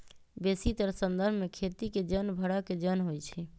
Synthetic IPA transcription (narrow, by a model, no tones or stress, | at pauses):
besit̪əɾsənd̪əɾmekʰet̪iked͡ʒənbʱəɽaked͡ʒənɦojt͡ʃʰi